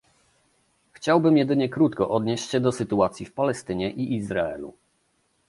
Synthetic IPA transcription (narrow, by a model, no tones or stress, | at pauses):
xt͡ɕawbɘmjɛd̪ɘɲɛkɾut̪kɔʔɔd̪ɲeɕt͡ɕɕɛd̪ɔsɘt̪uat̪sʲjifpalɛst̪ɘɲɛʔiʔizɾaɛ̰lṵ